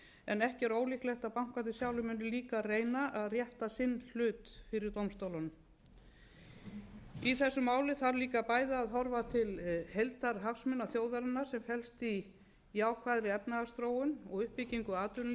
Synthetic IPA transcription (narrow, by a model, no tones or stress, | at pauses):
ɛnɛhcɪɛɾoːwlihklɛxt̪aðpawŋ̥kvat̪ɪsjaːwlʏmɛnːʏliːkareːjnaʔaðrjɛht̪asɪnːl̥ʏːt̪fɪɾɪɾt̪owmst̪owlanʏm | iθɛsːʏmaːwlɪθaɾliːkapaːjðaːðɦɔɾvat̪ʰɪlhejlt̪aɾ̥ɦafsmɪnːaθjoːwðaɾɪnːaɾ̥sɛmhɛlst̪i | jaːwkʰvaːðɾɪɛpnaɣast̪ɾoːwʏnɔɣʏhpɪciŋkʏaːt̪ʏn